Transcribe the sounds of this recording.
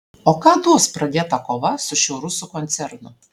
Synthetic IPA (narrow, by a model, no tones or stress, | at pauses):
oːkɑːd̪uɔspɾɐd̪ʲeːt̪ɐkoːʋɐsʊʃʲɛʊɾʊsʊkɔnʲt̪sʲɛɾnʊ